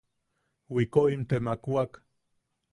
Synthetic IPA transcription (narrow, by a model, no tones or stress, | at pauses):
wikoimt̪emakuak